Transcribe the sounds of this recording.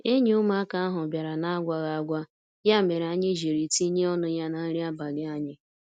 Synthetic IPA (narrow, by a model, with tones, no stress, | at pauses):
e˦ɲ˦ʊ˦ma˦a˦ka˦a˦ɦʊ˨bja˨ɾa˨na˦a˦ɡʷa˨ɣa˨a˨ɡʷa˦ | ja˦˨me˨ɾa˨ɲɪ˦ʒe˨ɾi˨ti˦ɲe˦ɔ˦nʊ˦ja˦na˨˦ɾi˦a˦ba˨ɡɪ˦a˦ɲɪ˦